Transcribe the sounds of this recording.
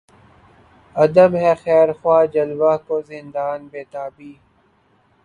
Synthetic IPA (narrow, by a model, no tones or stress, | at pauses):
ɐd̪əmɦɛxɛːɾxwaːd͡ʒɐlwaːkozɪ̃nd̪aːnbeːt̪aːbiː